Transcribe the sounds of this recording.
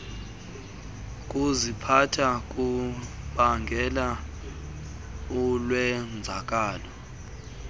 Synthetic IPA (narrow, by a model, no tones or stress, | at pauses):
k̬ʼuzipʰatʰak̬ʼuɓaŋɡʱɛla | ɔlwɛnd͡zʱak̬ʼaːlɔ